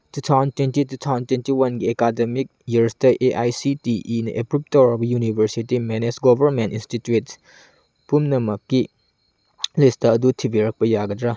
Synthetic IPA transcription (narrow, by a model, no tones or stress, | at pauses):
tutʰawzɐntwentitutʰawzɐntwentiwɐnɡiekademik̚jiɾstɐʔeʔajsitiʔinɐ̰ʔepɾup̚toɾɐbɐjunibʱɐɾsitimenesɡobʱɐɾmentinstituet | pumnɐmɐkːi | listɐːdutʰibiɾɐk̚pɐjaɡɐdɾa